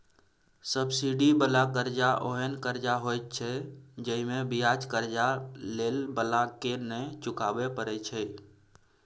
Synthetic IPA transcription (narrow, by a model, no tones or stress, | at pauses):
səbsiɖibəlakəɾd͡ʒaʔoɦənkəɾd͡ʒaɦojt̪̚t͡ʃʰɛd͡ʒəimẽbijad͡ʒkəɾd͡ʒalelbəlakenə̃t͡ʃʊkabepəɾɛt͡ʃʰɛ